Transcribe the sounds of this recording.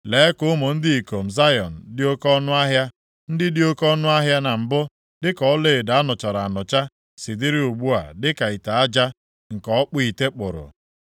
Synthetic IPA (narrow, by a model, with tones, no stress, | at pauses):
leː˨˦kʊ˦ʊ˦mo˨n̩˦dɪ˦i˨ko˨m̩˨za˦jɔ˨n̩˨dɪ˦o˦kɔ˦nʊ˦a˦ɦja˦ | n̩˦dɪ˦dɪ˦o˦kɔ˦nʊ˦a˦ɦja˦na˨m̩˨bʊ˦ | dɪ˦kɔ˨ɔ˦le˦˨e˨da˨a˦nʊ˨t͡ʃa˨ɾa˨a˨nʊ˨t͡ʃa˦ | sɪ˨dɪ˦ɾɪ˦u˨ɡ͡bu˦a̰˨dɪ˦ka˨i˨ta˨a˦d͡ʒa˦ | ŋ̩˨kɔ˨ɔ˦k͡pʊ˦i˨te˦k͡pʊ̰˨ɾʊ̰˨